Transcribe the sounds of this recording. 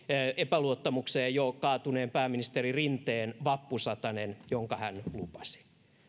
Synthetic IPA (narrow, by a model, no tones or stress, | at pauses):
epæluot̪ːɑmukseːjjokɑːt̪uneːmpæːminist̪erirint̪eːnʋɑpːusɑt̪ɑnenjoŋkɑhænlupɑ̥si̥